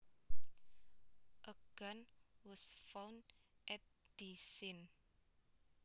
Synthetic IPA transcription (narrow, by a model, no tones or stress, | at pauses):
ʔəɡ̥ãnwɔsfãwndʔɛt̚d̥isin